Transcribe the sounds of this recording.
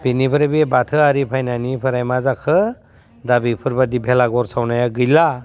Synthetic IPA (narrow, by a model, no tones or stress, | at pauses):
binipʰɯɾebebatʰɯaɾipʰajnanipʰɯɾajmazakʰɯ | dabipʰɯɾbadibʰʱelaɡɔɾsʰawnajaɡɯjla